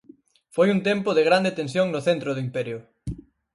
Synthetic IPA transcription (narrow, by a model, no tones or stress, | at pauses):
fojunt̪ɛmpʊðɪɣɾand̪et̪ẽnsjoŋnʊθent̪ɾʊðʊimpɛɾjʊ